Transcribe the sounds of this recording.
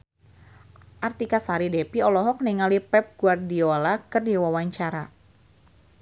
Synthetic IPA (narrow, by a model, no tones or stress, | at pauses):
ʔart̪ikasaɾidɛpiɔlɔɦɔk̚niŋalipɛp̚ɡ̥uardiolakɨrdiwawaɲt͡ʃaɾa